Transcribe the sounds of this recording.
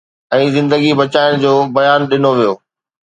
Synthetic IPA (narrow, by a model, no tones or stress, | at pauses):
ɛ̃ːzɪ̃nd̪əɡibɐt͡ɕaːɪɽ̃d͡ʑoːbɐjaːnɗɪnoʋijoː